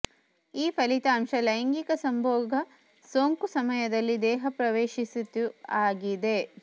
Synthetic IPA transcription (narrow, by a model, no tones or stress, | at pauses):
iːpʰɐlit̪ɐːɐmʃɐlɐjɐŋɡikɐsɐmbʱɔːɡʱɐ | soːŋkusɐmɐjɐd̪ɐlːid̪ɛːɦɐpɾɐʋeːʃisut̪uaːɡid̪e̞